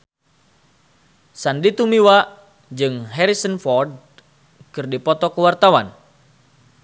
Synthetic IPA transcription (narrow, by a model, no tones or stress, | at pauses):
sandit̪umiwa | d͡ʒɨŋɦɛɾisənfɔrd̚ | kɨrdipɔt̪ɔkəwart̪awan